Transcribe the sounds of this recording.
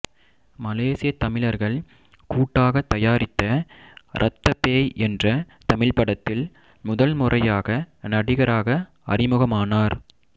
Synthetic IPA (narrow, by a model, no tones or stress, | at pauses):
mɐleːsɪjɐt̪ɐmɪlɐɾɣɐɭ | kuːʈːaːɣɐt̪ːɐjaːɾɪt̪ːɐɾʔɐ̰t̪ːɐpeːjʔɛndrɐ | t̪ɐmɪɭpɐɽɐt̪ːɪl | mʊðɐlmʊrʔɐjaːɣɐnɐɽɪɣɐɾaːɣɐ | ɐ̰rɪmɯɣɐmaːnaːɾ